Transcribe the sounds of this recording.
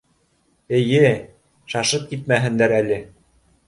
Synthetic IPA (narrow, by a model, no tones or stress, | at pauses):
ɘ̆jɘ | ʃɑʃɤp̚kit̪̚mæɦɘ̆nd̪æɾælɘ